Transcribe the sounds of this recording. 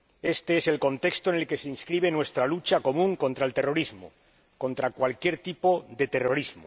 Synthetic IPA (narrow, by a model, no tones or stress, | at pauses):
e̞st̪e̞ese̞lko̞nt̪e̞kst̪o̞ene̞lke̞seinskɾiβ̞e̞nwe̞st̪ɾalut͡ʃako̞mũŋko̞nt̪ɾaelt̪e̞ro̞ɾizmo̰ | ko̞nt̪ɾakwalkje̞ɾt̪ipo̞ðe̞t̪e̞ro̞ɾizmo